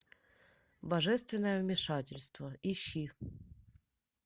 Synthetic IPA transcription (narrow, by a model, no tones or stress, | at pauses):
bɐʐɛst̪vʲɪnːəjəvmʲɪʂatʲɪlʲst̪vəɪɕːi